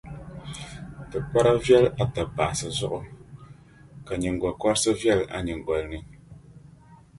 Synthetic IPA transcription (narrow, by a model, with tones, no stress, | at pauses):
tɨ˨kwa˦ɾa˦vjɛ˦˨la˨ta˨ba̰˨ʔsɨ˨zɔ˦ʔʊ˨ | ka˨ɲi˨ŋ˨ɡwɔ˨kɔ˦ɾsə˦vjɛ˦˨la̰˦˨ɲi˨ŋ˨ɡwɔ˨lni˨ŋ